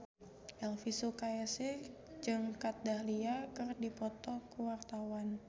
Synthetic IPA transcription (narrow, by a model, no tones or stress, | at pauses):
ʔɛlfisukaasɪ | d͡ʒɨŋkat̪̚dahliakɨrdipɔt̪ɔkuwart̪awan